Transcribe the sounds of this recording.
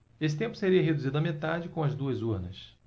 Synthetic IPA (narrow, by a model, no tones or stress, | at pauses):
esɪ̥t̪ẽmpʊ̥seɾiɐɦed̪uzid̪ʊɐmet̪ad͡ʒɪkõɐzd̪uɐzuɾnɐs